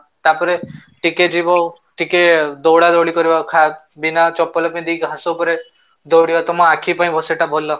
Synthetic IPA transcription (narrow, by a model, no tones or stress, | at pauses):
t̪apɔɾe | ʈiked͡ʒibɔ | ʈiked̪ɔwɽad̪ɔɽikɔɾibakʰa | binat͡ʃɔpːɔlɔpaĩd̪iɡʱasɔpɔɾe | d̪ʱɔwɽibat̪ɔmɔakʰipaĩbʱɔseʈabʱolɔ